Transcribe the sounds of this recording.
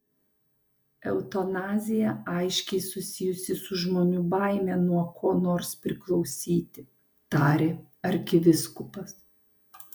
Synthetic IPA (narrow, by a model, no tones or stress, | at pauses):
ɛ̰ʊt̪onɑːzʲɪjɛɑɪʃʲkʲɛɪsʊsʲɪjʊsʲɪsʊʒmoːnʲʊbɑɪmʲɛnuɔkʰoːnoːɾspʲɾʲɪklˠɒʊsʲiːt̪ʲɪ | t̪ɑːɾʲe | ɐɾʲkʲɪʋʲɪskʊpɐs